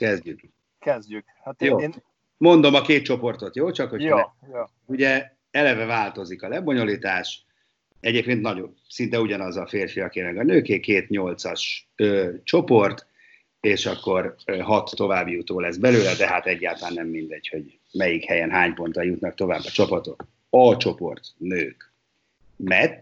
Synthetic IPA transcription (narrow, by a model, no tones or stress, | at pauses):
kɛzɟyk | kɛzɟyk | hjoː | mo̞nd̪o̞mɒkeːt̪̚t͡ʃo̞po̞rt̪o̞t̪joːt͡ʃɒkhoj | jo | uɟɛ | ɛlɛvɛvaːlt̪o̞zikɒlɛbo̞ɲo̞liːt̪aːʃ | ɛɟeːp̚keːnt̪nɒɟo | sint̪ɛuɟɒnɒzɒfeːrfijɒkeːmɛɡɒnøːkeːkeːt̪ɲo̞lt̪sɒʃøːt͡ʃo̞po̞rt̪ | eːʃɒkːo̞rɦɒt̪ːo̞vaːbjut̪oːlɛzbɛløːlɛd̪ɛɦat̪ɛɟːaːlt̪ɒlaːnːɛmːind̪ɛɟho̞ɟ | mɛjikhɛjɛnɦaːɲpo̞nt̪ɒjut̪nɒk̚t̪o̞vaːbːɒt͡ʃɒpɒt̪o̞t̪ | ɒt͡ʃo̞po̞̰rt̪nøːk | mɛ